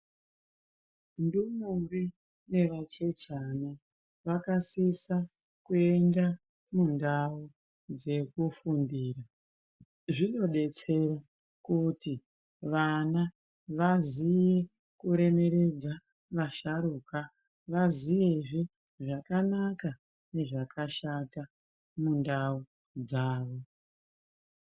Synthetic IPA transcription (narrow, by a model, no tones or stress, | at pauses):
ndumuri | ne̞ʋat͡ʃe̞t͡ʃana | ʋakasisa | kue̞nda | mundau | d͡ze̞kufundiːra | ʐino̞ɗe̞t͡se̞ra | kuti | ʋana | ʋazije̞ | kuɾe̞me̞ɾe̞d͡za | ʋaʃaɾuːka | ʋazijeʐi | ʐakanaka | ne̞ʐakʰaʃata | mundau | d͡zaːʋo̞